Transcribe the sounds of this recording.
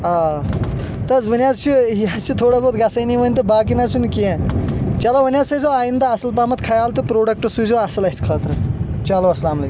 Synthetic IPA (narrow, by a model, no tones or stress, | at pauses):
aː | t̪ɐzbʱunʲjaːt͡ʃʰuijazt͡ʃʰut̪ʰoːɽaːboːt̪ɡɐsɐjniʋɐnʲt̪ɐbaːk̬inɐzʰunkiẽt͡ʃɐlobɐnjaːsɐjzoaːjind̪aɐsɐlpaːmɐt̪kʰɐjaːlt̪upɾoːɖɐk̚ʈosuzoːɐsɐlɐskʰɐːt̪ɾɨt͡ʃɐloɐslaːmlɐ̰